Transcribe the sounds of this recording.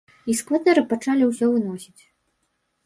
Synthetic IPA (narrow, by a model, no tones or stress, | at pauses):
iskvat̪ɛɾɨpat͡ʂalʲiwsʲɔvɨnɔsʲit͡sʲ